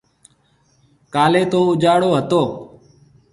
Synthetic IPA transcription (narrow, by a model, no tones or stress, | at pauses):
kaːleːt̪oːʊd͡ʒaːɽoːɦət̪oː